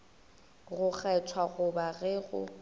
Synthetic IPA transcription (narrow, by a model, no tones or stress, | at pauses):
ɣʊk͡xʰɛt͡sʰwaɣʊbaɣɛɣʊ̰